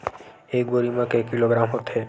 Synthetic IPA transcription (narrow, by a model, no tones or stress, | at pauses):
ejɡoɾimãkekiloɡɾamɦot̪ʰe